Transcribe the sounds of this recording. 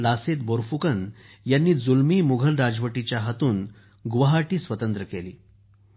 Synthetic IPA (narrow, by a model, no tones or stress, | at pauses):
laset̪̚boɾfukən | janːiːd͡zulmiːmuɡʱəlɾad͡zʋəʈit͡ɕjaɦət̪uːn | ɡʋəɦaʈiːsʋət̪ənt̪ɾəkelḭː